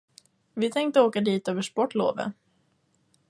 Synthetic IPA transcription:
vɪt̪ʰɛŋk̚t̪əoːkad̪iːt̪øːvəʂpɔʈːlo̰ːvə̰

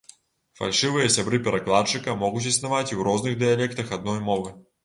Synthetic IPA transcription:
fa̰lʲʂɨvɨjɐsʲabɾɨpʲɛɾaklˠat͡ʂɨkɐmɔɣut͡sʲisnavat͡sʲiwɾɔznɨɣd̪ɨjalʲɛkt̪ɐxɐd̪̚nɔjmɔvɨ

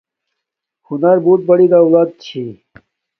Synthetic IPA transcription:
hunɐɾbuːt̪̚bɐɽid̪aːulaːd̪̚t͡ɕʰi

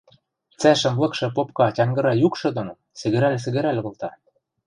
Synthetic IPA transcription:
t͡sæʃə̆mlˠɤ̆kʃɤ̆pop̚kɑtʲɑŋɡɤ̆ɾɑjukʃɤ̆d̪ono | sɘ̆ɣɘ̆ɾælʲs̬ɘ̆ɣɘ̆ɾælʲŏɣɤ̆lt̪ɑ

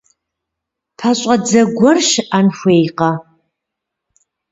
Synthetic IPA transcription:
pʰɐɕʼɐd͡zɐɡʷɔrʃʔanxʷeːjqɐ

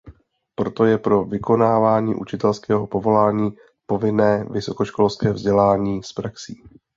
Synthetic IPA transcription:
pɾo̞t̪o̞jɛpɾo̞vɪko̞naːvaːɲḭːʔut͡ʃɪt̪ɛlskɛːɦo̞po̞vo̞laːɲiː | po̞vɪnɛːvɪso̞ko̞ʃko̞lskɛːvzɟɛlaːɲiːspɾaksiː

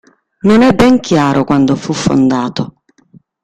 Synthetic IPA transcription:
nonɛbːɛŋkʰjaːɾʔokwand̪ofufːo̰nd̪aːt̪o

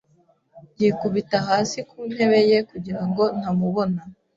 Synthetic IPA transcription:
ɲɟikuβitaɦaːsikuːn̥he̞βe̞je̞kuɟiɾaŋɡo̞n̥hamuβo̞na

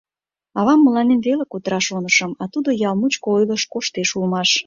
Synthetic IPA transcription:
ɑβɑmːəlɑnenβelekot̪əɾɑʃonəʃəmɑt̪ud̪ojɑlˠmut͡ɕkoojləʃkoʃt̪eʃulmɑʃ

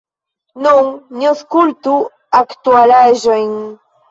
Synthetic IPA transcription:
nuŋɲoskult̪u | akt̪ualaeʒweŋ

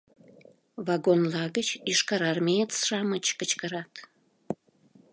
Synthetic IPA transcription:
vɑɡonlɑɣət͡ɕiʃkɑɾɑrmeet̪sʃɑmət͡ɕkət͡ɕkəɾɑt̪

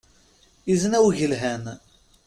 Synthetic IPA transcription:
izənæwʝəlɦæn

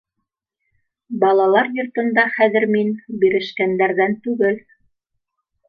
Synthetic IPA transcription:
bɑlˠɑlˠɑɾjŏɾt̪ɤ̆nd̪ɑχæðɘ̆ɾminbiɾɘ̆ʃkænd̪æɾðænt̪ʉɡɘl

